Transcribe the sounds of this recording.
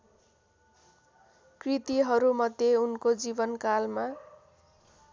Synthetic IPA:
krit̪iɦʌɾumʌd̪jeunkod͡zibʌnkalma

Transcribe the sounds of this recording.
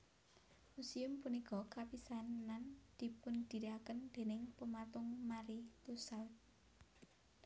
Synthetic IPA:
musiʊmpunikɔkapisanand̪̥i̤pʊnd̪̥i̤ɾiakənd̪̥e̤nɪŋpəmat̪ʊŋmaɾit̪usawt̪̚

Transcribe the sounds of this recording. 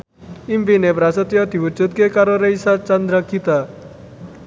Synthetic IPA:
imbinepɾasət̪jɔt̪iut͡ʃut̪̚kekaɾoɾəjsat͡ʃand̪ɾakit̪a

